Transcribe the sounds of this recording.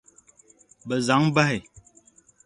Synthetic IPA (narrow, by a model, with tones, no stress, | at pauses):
bə˨za˨˦ŋba˦i˨